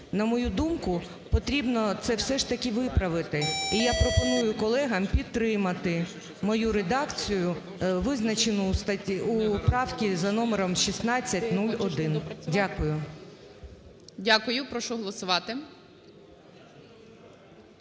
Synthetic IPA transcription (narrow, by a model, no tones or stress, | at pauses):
nɐmɔjud̪umkʊ | pɔt̪ɾʲibnɔt̪sɛwsɛʃt̪ɐkʲiʋɪpɾɐʋɪt̪ɪijapɾɔpɔnujʊkɔlˠɛɦɐmpʲid̪t̪ːɾɪmɐt̪ɪ | mɔjuɾed̪ɑkt͡sʲijʊ | ʋɪznɐt͡ʃɪnʊst̪ɐiupɾɑwkʲizɐnɔmeɾɔmʃʲisnɑt͡sʲːɐtʲnulʲɔd̪ɪndʲakʊjʊ | dʲakʊjʊpɾɔʃɔɦlˠɔsʊʋɑt̪ɪ